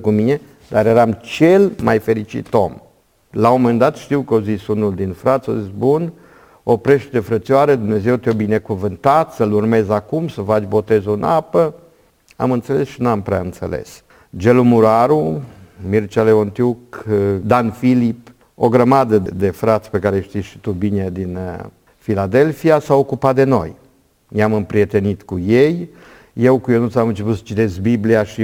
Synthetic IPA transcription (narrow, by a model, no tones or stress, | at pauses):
kumine̞ | d̪aɾjeɾamt͡ʃe̞lmajfe̞ɾit͡ʃḭt̪o̞̰m | lamomend̪at̪ʃt̪iwkəozisunuld̪infɾat̪sʲo̰zisbun | o̞pɾeʃt̪ed̪e̞fɾət̪siaɾed̪umne̞ze̞wt̪ʲjobine̞kuvɨnt̪at̪səlurme̞zakumsəfat͡ʃʲbo̞t̪e̞zunapə | a̰mɨnt̪se̞le̞sʃinampɾea̰ɨnt̪se̞̰lḛs | d͡ʒelumuɾaɾumirt͡ʃaleont̪jukd̪anfilip | oɡɾəmad̪əd̪e̞fɾat̪sʲpe̞kaɾeʃt̪ijʃi̥t̪ubine̞d̪in | filad̪e̞lfiasaokupat̪̚d̪e̞no̞̰j | jeamɨmpɾie̞t̪e̞nit̪kujej | je̞wkujonut̪samɨnt͡ʃe̞p̬ut̪sə̥t͡ʃit̪e̞sbibliaʃi